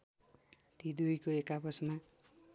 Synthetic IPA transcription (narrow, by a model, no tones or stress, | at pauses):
t̪id̪ujkoekapʌsma